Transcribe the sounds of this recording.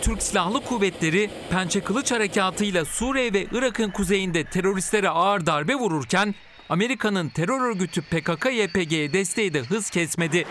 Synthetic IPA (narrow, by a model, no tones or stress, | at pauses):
t̪ʰyɾcsilʲahlˠɯkʰuːvɛt̪lʲe̞ɾi | pʰænt͡ʃʰekʰɯlˠɯt͡ʃhaɾecʰaːt̪ʰɯjlˠasuːɾevɛʔɯɾakʰɯnkʰuze̞jind̪ɛt̪ʰe̞ɾo̞ɾist̪lʲe̞ɾɛaɾd̪aɾbɛvuɾuɾcʰæn | ame̞ɾikʰanɯnt̪ʰe̞ɾø̞ɾø̞ɾɟyt̪ʰypekakʰajepeɟejɛd̪ɛst̪ʰe̞jid̪ɛɦɯz̥cʰɛsme̞d̪ɪ